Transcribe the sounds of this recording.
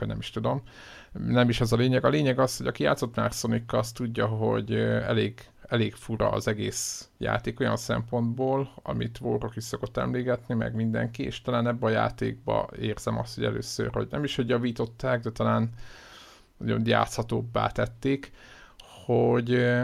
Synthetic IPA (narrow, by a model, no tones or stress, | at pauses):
ɒ̰ɟnɛ̰miʃt̪ud̪o̞m | nɛmiʃɛzɒleːɲɛɡɒleːɲɛɡɒsho̞ɟɒkija̰ːt̪so̞t̪maːrso̞nikːɒst̪uɟːɒɦo̞̰ɟɛleːɡ | ɛleːɡfuɾɒːzɛɡeːsja̰ːt̪eːko̞jɒnsɛ̰mpo̞nd̪boːlɒ̰mit̪ʋoːrokiʃsoko̞t̪ːɛ̰mleːɡɛt̪nimɛ̰ɡmind̪ɛ̰ŋkieːʃt̪ɒlaːnɛbːɛɒja̰ːt̪ḛːɡ̚bɒ̰eːrz̥ɛmɒ̰st̪ho̞ɟɛ̰lø̰ːsø̰rho̞̰ɟnɛ̰miʃhoɟjɒviːt̪o̞t̪ːaːɡd̪ɛt̪ɒlaːn | nɒɟo̞̰nja̰ːt̪shɒt̪oːbːa̰ːt̪ɛt̪ːeːk | hoɟ